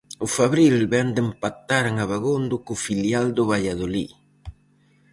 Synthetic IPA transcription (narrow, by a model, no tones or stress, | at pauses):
ufaβɾilbɛnd̪empat̪aɾaŋaβaɣond̪ukufiljald̪oβaʎaðoli